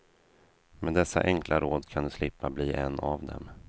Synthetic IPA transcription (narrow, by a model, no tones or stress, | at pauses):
mɛːd̪ɛsːa̰ʔɛŋkʰlʔaɾoːd̪kʰand̪ɵslɪpːabliːʔɛnːavd̪ɛ̰m